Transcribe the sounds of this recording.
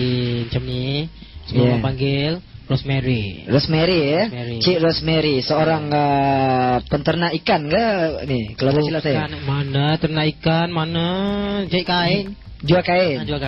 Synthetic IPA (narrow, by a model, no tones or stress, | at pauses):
iɲt͡ʃəmni | səmuamapaŋɡɪl | rɔsmeɾirosmeɾiaeɾit͡ʃiɾɔsmeɾisəoɾaŋə | pənt̪ərnaikanɡənihkaloəsilasajaanmanət̪ərnaikanmanəd͡ʒaiʔkaɪn | d͡ʒuakaɪd͡ʒuaka